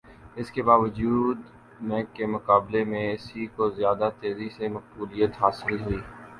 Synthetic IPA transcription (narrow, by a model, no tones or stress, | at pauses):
ɪskebaːʋəd͡ʒuːd̪ | mɛ̃ːkemʊqaːblemẽɪsikozjaːd̪at̪eːzisemɐq̚buːlijət̪ɦaːsɪlɦʊiː